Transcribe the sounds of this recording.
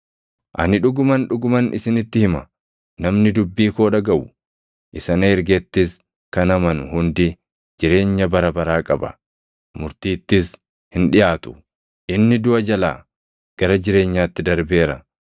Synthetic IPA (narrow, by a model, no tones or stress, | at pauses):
ʔɐnɪᶑʊɡʊmɐnᶑʊɡʊmɐnʔɪsɪnɪt̪ːɪhɪmɐ | nɐmnɪd̪ʊbːiːkoːᶑɐɡɐʔʊ | ʔɪsɐnɐɛɾɡɛt̪ːɪs | kɐnɐmɐnʊhʊnd̪ɪ | d͡ʒɪɾe̞ːɲːɐbɐɾɐbɐɾaːkʼɐbɐ̰ | mʊɾt̪iːt̪ːɪs | hɪnᶑɪjaːt̪ʊ̥ | ʔɪnːɪd̪ʊʔɐd͡ʒɐla̰ː | ɡ̥ɐɾɐd͡ʒɪɾe̞ːɲːaːt̪ːɪd̪ɐɾbe̞ːɾɐ